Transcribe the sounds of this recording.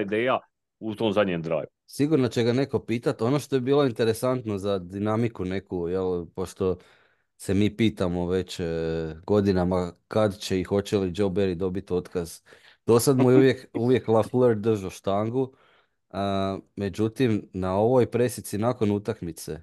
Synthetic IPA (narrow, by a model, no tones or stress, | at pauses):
id̪eːja | ut̪oːmzad̪ɲemd̪ɾa̰jʋ | siɡuɾnat͡ɕe̞ɡane̞ko̞piːt̪at̪o̞no̞ʃt̪o̞jebiːlˠoint̪e̞ɾe̞sant̪nozad̪inamikune̞kujelpo̞ʃt̪o̞ | se̞miːpiːt̪amo̞ʋe̞t͡ɕɡo̞d̪inamakad̪t͡ɕe̞ixo̞t͡ɕe̞lid͡ʒo̞wbeɾid̪o̞bit̪o̞t̪kaz | t̪osad̪mujeuʋje̞kuʋje̞klˠafleɾd̪d̪r̩ʒoʃt̪aŋɡu | əme̞d͡ʑut̪imnao̞ʋo̞jpɾe̞sit̪sinako̞nut̪akmit̪sḛ